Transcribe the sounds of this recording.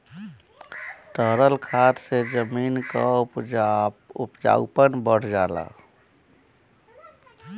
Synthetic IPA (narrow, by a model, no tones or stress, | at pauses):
ʈ̪əɦɾəlkʰaːt̪sed͡ʒəmiːnkaup | upd͡ʒa̰ʊpənbəɽ̤d͡ʒaːla̰